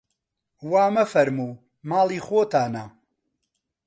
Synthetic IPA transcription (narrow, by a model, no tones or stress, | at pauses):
waːmɐfɐɾmuː | maːlˠiːxoːt̪aːna